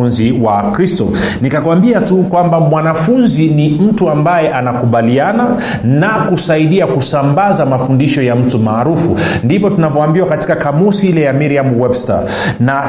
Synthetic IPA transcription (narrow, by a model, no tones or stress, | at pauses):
unziwakɾistɔ̰ | nikakwambiatukwambamwanafunzinim̩tuambajɛʔanakuɓaliana | nakusaiɗiakusambazamafundiʃɔjam̩tumaːɾufu | ndivɔtunavɔambiwakati̥kakamusiilɛjamiɾiamwɛbsta̰ | na